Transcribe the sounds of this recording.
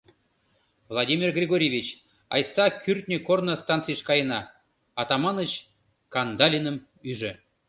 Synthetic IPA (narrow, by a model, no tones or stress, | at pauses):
vlˠɑdʲimʲirɡrʲeɡoɾʲevʲit͡ɕ | ɑ̰jst̪ɑkʲyrt̪̚ʲnʲəkornə̆st̪ɑnt͡sijʃkɑjənɑ | ɑt̪ɑmɑnət͡ɕ | kɑnd̪ɑlʲinəm | yʒɘ̆